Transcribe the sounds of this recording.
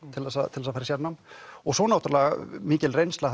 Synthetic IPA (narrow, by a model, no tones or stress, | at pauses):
t̪ʰɪlðɛsaðt̪ʰɪlɛsafajɾɪsɛnamɔɣsɔnawt̪ɾlɛmiːcɪlrejnst̪a